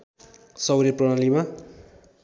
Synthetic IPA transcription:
sʌwɾeprʌɽalima

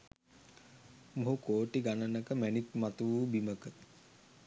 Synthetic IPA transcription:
moɦukoːʈiɡanənəkəmænik̚mat̪uʋuːbiməkət̪

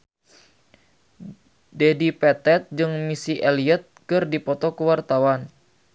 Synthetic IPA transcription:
dɛdipɛt̪ɛt̪̚d͡ʒɨŋmisiʔɛliɛt̪̚kɨrdipɔt̪ɔkuwart̪awan

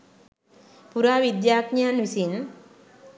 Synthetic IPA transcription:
puɾaːʋid̪jaːkɲanʋisin

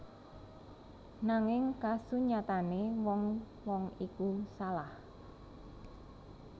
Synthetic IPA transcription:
naŋɪŋkasuɲat̪anewɔŋ | wɔŋikusalah

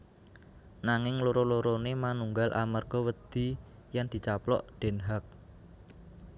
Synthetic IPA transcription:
naŋɪŋloɾoloɾonemanuŋɡalʔa̰mərɡ̥ɔ̤wəd̪̥i̤ | jand̪̥i̤t͡ʃaplɔ̰ʔɖ̪̥e̤nɦak̚

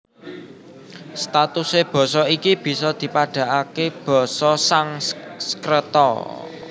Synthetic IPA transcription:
st̪at̪useb̥ɔ̤sɔikib̥i̤sɔd̪̥i̤paɖ̥ä̤ʔakeb̥ɔ̤sɔsaŋskɾət̪ɔ̰

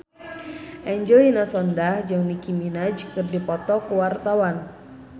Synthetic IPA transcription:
ʔɛɲd͡ʒɔinasɔndahd͡ʒɨŋnikiminad͡ʒkɨrdipɔt̪ɔkuwart̪awan

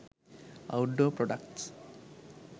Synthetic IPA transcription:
ɐ̰wɖoːpɾoɖɐkʈs

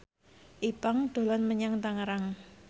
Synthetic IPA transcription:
ʔipaŋd̪̥o̤lɔnməɲaŋt̪aŋəɾaŋ

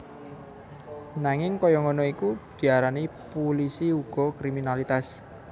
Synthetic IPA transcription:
naŋɪŋkɔjɔŋɔnɔikud̪̥i̤aɾanipulisiuɡ̥ɔ̤kɾiminalit̪as

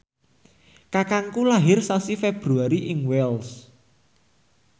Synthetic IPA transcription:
kakaŋkulaɦɪrsasifeb̥ɾuaɾiʔɪŋwɛls

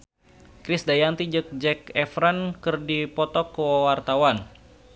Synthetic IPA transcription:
kɾɪsdajant̪id͡ʒək̚d͡ʒɛkɛfɾankɨrdipɔt̪ɔkːəwawart̪awan

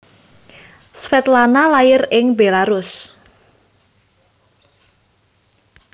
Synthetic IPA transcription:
sfɛt̪lanalajɪrɪŋbelaɾʊs

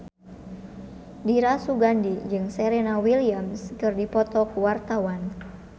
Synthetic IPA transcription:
diɾasuɡandid͡ʒɨŋsɛɾɛnawiliamskɨrdipɔt̪ɔkuwart̪awan

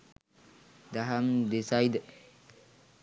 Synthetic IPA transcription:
d̪aɦamd̪esajd̪ə

